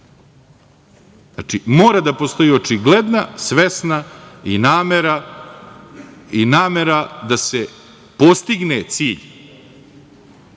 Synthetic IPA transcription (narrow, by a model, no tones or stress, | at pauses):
at͡ʃimoːɾad̪apo̞st̪o̞io̞t͡ʂiɡle̞d̪nasʋe̞snainaːmeɾa | inaːme̞ɾad̪ase | po̞st̪iɡnet̪siːʎ